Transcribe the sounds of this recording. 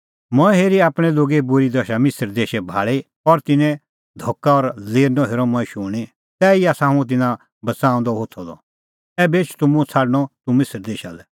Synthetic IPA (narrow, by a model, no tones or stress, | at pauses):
mɔ̃ɛ̃ɦeːɾiaːpɽ̃ɛloːɡebʊɾid̪ɐʃamɪsəɾd̪eːʃɛbʱa̰ːɭi | ɔɾt̪ɪnɛ̃ | d̪ʱoːkaɔɾleːɾnɔɦeːɾɔmɔ̃ĩʃʊːɽ̃i | t̪ɛːiaːsaɦũũt̪̬ɪnã | bɐt͡sãːʊ̃nd̪ɔɦot̪ʰɔlɔ̰ | ɛbeːt͡ʃʰt̪ʊmũt͡sʰaːɽɽ̃ɔt̪umɪsəɾd̪eːʃa̰lɛ